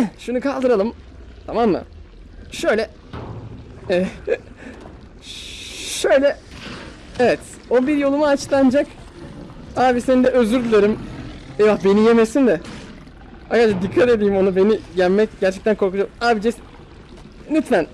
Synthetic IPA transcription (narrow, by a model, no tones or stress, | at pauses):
ʃunukʰalˠd̪ɯɾalˠɯm | t̪ʰamamːɯ̰ | ʃø̞jlʲɛ | ɛː | ʃø̞jlʲɛ | evɛt̪ | o̞biɾjo̞lˠumaat͡ʃlˠand͡ʒak | aːbisenid̪ɛø̞zyɾd̪ylʲeɾimejbaxbe̞nijemesind̪ɛ | hakad͡ʒad̪ikʰːat̪e̞d̪iːimo̞nube̞nijælmːɛcɟæɾt͡ʃʰɛc̚t̪ænkʰo̞ɾkud͡ʒaaːbid͡ʒes | nit̪mæn